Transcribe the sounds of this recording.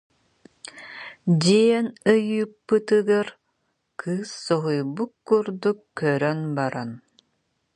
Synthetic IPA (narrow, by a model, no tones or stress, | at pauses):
d͡ʑiɛɛnɯjɯːpːɯt̪ɯɡaɾ | kʰɯːsːɔɦujbukːuɾd̪ukːœɾœnbaɾan